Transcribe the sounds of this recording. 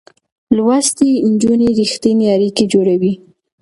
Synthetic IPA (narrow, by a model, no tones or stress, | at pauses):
lwast̪iɪnd͡ʒuniɾixt̪ineaɾiked͡ʒoɽawi